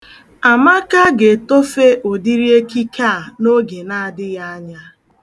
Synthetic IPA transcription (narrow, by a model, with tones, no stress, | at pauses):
a˨ma˦ka˦ɡe˨to˦fe˦ʔo˨di˦ɾi˦e˦ki˦ka˦˨no˦ɡe˨na˦a˨dɪ˦ja˦a˦ɲa˦